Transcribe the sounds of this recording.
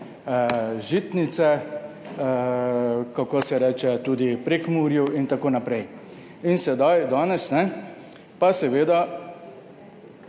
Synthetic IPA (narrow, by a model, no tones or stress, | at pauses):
ʒiːt̪nit̪sɛ | kakoːsɛɾɛːt͡ʃɛt̪uːd̪ipɾekmuːɾjuint̪akoːnapɾɛj | insɛd̪ajd̪aːnɛsnɛ | pasɛʋeːd̪a